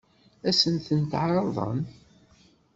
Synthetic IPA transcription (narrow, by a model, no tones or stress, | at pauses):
æsənθənt̪ʕɾˤɑðˤə̰n